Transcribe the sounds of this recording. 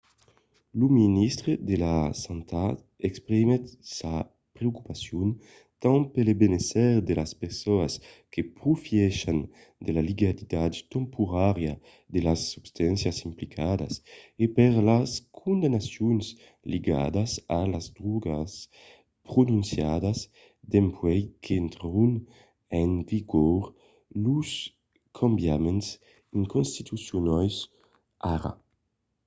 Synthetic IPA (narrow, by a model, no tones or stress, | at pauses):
luminist̪ɾed̪elasant̪a | ɛkspɾimet̪sa | pɾeoku̥pasjun | t̪ãŋpelebenest̪ɛʁd̪elaspeɾsɔaskepɾufjɛʃan | d̪elaliɡalid̪ad̪t̪ɛmpʰuɾaɾja | d̪elasːubst̪ɛnsjasimplikʰad̪a̰sepɛʁlaskʰund̪anasjuns | liɡa̰d̪asalazd̪ɾuɡas | pɾunũnsjad̪as | d̪ɛmpwɛjkʰeɛnt̪ɾun | ɛŋviɡɔɾ | lus | kʰambjamens | iŋkonst̪it̪usjunajs | ʔaɾa̰